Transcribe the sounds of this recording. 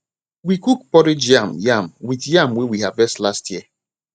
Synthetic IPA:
wikuk̚pɔɾɪd͡ʒjamjamwitjamwɛwiɦavɛstlastʰji

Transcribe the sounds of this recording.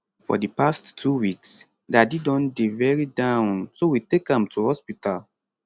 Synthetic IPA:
fɔ̰dipastʰːuwiks | dadidɔ̃ndevɛɹidãʊ̃nsowitekãmtʰuhɔspital

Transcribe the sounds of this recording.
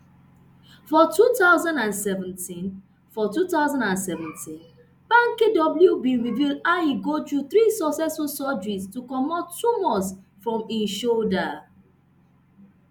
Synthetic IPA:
fɔtutaʊzãndãnsɛvɛ̃ntĩn | fɔtutaʊzãndãnsɛvɛ̃ntĩn | pãŋkedɔbl̩jubĩnɹivildaiɡotɹuθɹisɔksɛsfɔsɔd͡ʒistukɔmɔtːumɔ̃s | fɹɔ̃mĩnʃolda

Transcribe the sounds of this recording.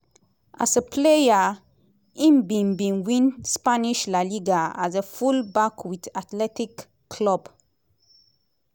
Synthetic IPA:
ʔa̰səpʰleja | ĩmbĩnbĩnwĩnspaniʃlaliɡaazəfulbakʰwiθatlɛtikʰː | lɔb̥

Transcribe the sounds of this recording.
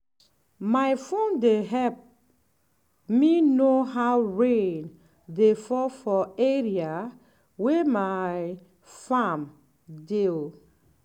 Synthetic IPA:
maɪfõndeɦɛp̚ | minoɦaʊɹẽn | defɔfɔeɹia | wemaj | fam | dil

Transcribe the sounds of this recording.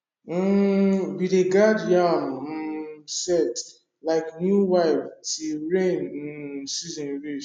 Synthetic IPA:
biɾeɡadjam̩ | sɛt | laɪknjuwaɪftiɹẽn̩sizĩnɹe

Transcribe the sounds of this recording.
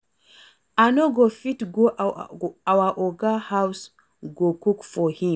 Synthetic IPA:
anoɡofitɡo | awaʔɔɡahaws | ɡokukfɔhĩ

